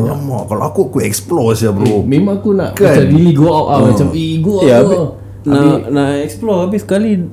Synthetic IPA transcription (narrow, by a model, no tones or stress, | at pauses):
lamakaloakuakuɛksplɔsjabɾumemaŋakuna̰ʔkasadiliɡoawʔamat͡ʃamiɡoja | nainaɛksploabisə̥kali